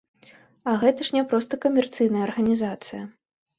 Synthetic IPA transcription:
ɐɣɛt̪ɐʂnʲɛpɾɔst̪ɐkɐmʲɛrt̪sɨjnɐjəɐrɣɐnʲizat̪sɨjɐ

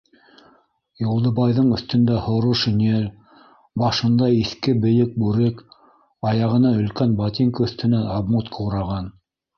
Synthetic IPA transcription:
julˠd̪ɤ̆bɑjðɤɴɵ̆θt̪ɵ̆nd̪æhŏɾuʃɵ̆niæl | bɑʃɤ̆nd̪ɑiθkɘbɘ̆jɘk̚bʉɾɘk | ɑjɑʁɤ̆nɑɵ̆lkænbɑt̪ʲiŋkəɵ̆θt̪ɘ̆nænɑbmut̪qʰɤwɾɑʁɑn

